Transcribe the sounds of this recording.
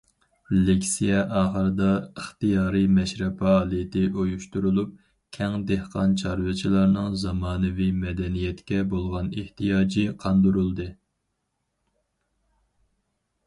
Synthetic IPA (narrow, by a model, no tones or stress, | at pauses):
lekʲsijɛʔɑːχəɾɨd̪ɑəχt̪ijɑːɾɨmɛʃɾɛpɑːlˠijt̪ʰɪʔojuʃt̪uɾulˠup̚ | kʲʰɛŋd̪ehqɑnt͡ʃʰɑɾvɨt͡ʃʰilˠɑɾnɨŋzɑmɑːnɨvimɛd̪ɛnijɛt̪kʲɛbolˠʁɑneht̪ijɑːd͡ʒiqʰɑnd̪uɾulˠd̪ɨ